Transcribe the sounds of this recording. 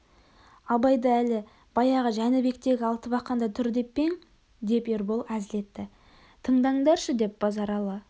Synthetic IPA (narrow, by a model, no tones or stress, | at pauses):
ɑbɑjd̪ɑælɪ | b̥ɑjɑʁəʒænɪbe̞k̚t̪e̞ɡʲɪɑlˠt̪əbɑqqːɑnd̪ɑt̪ʰʏɾd̪e̞pːe̞ŋ | d̪e̞pe̞ɾbolˠæzɪle̞t̪ːɪ | t̪ʰəɴd̪ɑd̪ɑɾʃəd̪e̞p̚b̥ɑzɑɾɑlˠɑ